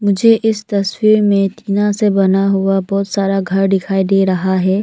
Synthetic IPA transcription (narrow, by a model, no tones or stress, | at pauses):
mʊd͡ʒʱeʔɪst̪ɐswiːɾmẽt̪ʰiːnãsebɐnaɦʊabɔːt̪saːɾaɡʱɐɾɖɪkʰaːid̪eːɾɐɦaɦɛː